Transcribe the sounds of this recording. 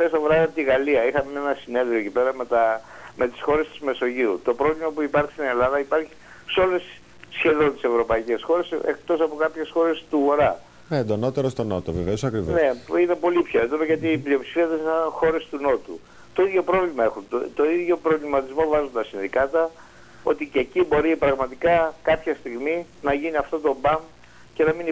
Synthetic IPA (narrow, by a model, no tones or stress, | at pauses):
θest̪ɐvoɾɐɐt̪iɣɐliɐixɐmeenɐsine̞ðɾioecipe̞ɾɐmet̪ɐ | me̞t̪i̥sxo̞ɾe̞st̪i̥zme̞so̞ʝiɾut̪o̞pɾo̞vlimɐpuipɐɾçi̥st̪ine̞lɐðɐipɐɾçi̥ | so̞le̞s | sçe̞ðo̞nt̪i̥se̞vɾo̞pɐice̞sxo̞ɾe̞sḛk̚t̪o̞sɐpo̞kɐpçe̞sxo̞ɾe̞st̪uɣo̞ɾɐ | neend̪ono̞t̪eɾost̪onot̪oveveosɐkɾivone̞ine̞po̞lipço̞end̪onɐʝɐt̪iːplio̞psi̥fiɐðesisɐnxo̞ɾe̞st̪uno̞t̪ṵ | t̪o̞iðʝo̞pɾo̞vlimɐe̞xunt̪t̪o̞iðʝo̞pɾo̞vlimɐt̪izmo̞vɐzunt̪ɐsinðikɐt̪ɐ | o̞̰t̪icecibo̞ɾipɾɐɣmɐt̪ikɐkɐpçɐst̪iɣmi | nɐʝiniɐft̪o̞t̪o̞bɐm | ce̞nɐmin